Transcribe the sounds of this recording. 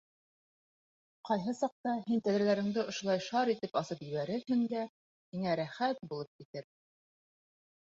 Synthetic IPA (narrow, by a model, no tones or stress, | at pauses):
qɑjɦɤsɑq̚t̪ɑɦint̪æðɾælæɾɘ̆ŋd̪ɘŏʃŏlˠɑjʃɑɾit̪ɘpɑsɤpjɘ̆βæɾɘhɘ̆nd̪æ | hiŋæɾæχæt̪̚bulˠɤp̚kit̪ɘɾ